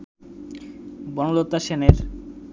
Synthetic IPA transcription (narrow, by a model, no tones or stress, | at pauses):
bɔŋlot̪ːaʃeneɾ